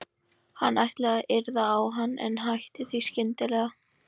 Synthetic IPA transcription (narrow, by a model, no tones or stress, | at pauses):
hanːajht̪lɛɣaʔɪɾðaːwɦanːɛ̰nɦajht̪ɪθiscɪnt̪ɪlɛːɣa